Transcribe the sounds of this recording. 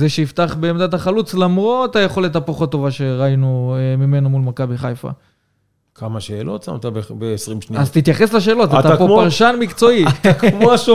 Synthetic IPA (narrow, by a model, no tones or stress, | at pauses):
zeʃeift̪aχbeːmd̪at̪̬aχalut͡slamʁot̪ajeχo̞let̪apoχot̪ːo̞vaʃe̞ʁainuemime̞nomulmakabiχajfa̰ | kʰamaʃeːlo̞̰t̪sa̰mt̪abebeːsʁimʃniazt̪it̪jaχe̞slaʃ̬e̞ːlo̞t̪aat̪aapoaʁʃanmikt͡so̞iakmoʃu